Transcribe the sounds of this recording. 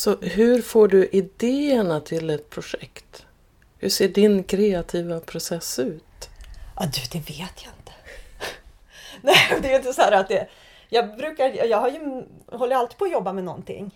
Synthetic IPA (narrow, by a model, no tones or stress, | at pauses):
sɔɦɵɾfoːɖɵʔɪd̪eːəɳat̪ʰɪlɛt̪̚pʰɾʊʂɛkt̪ | hɵʂeːɖɪnkʰɾeːat̪ʰiːvapʰɾʊsɛsːʉ̟ːt̪ʔɑd̪ʉd̪ɛveːt̪ʰjaɪnt̪ə̥ | nɛjd̪ɛːjɵɪnt̪əsɔhæːɾat̪̚d̪ɛ | jɑːɡbɾʉ̟ːkaɾjɑːɡhaɾjɵɦɔlːəjɾalt̪i̥ːpʰɔːjɔbːamɛnɔ̰nt̪ɪ̰ŋː